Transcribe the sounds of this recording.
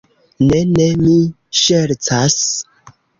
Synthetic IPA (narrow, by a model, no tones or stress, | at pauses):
nenemi | ʃeɾt͡sas